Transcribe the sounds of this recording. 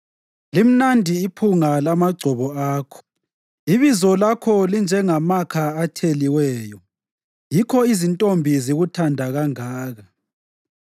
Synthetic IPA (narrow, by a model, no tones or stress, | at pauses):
lim̩nandʱiːpʰuŋalamaɡ͡ǀʱɔβɔaːkʰɔ̥ | iβizɔlakʰɔlind͡ʒʱɛŋamakʰaːtʰeliwɛːjɔ | jikʰɔizintʼombʱiziɣutʰandʱaɣaŋaːɣa